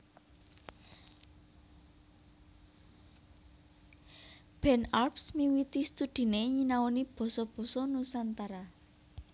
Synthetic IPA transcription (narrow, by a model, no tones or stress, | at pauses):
b̥ɛ̤narpsmiwit̪ist̪ud̪̥i̤neɲinawɔnib̥ɔ̤sɔb̥ɔ̤sɔnusant̪aɾa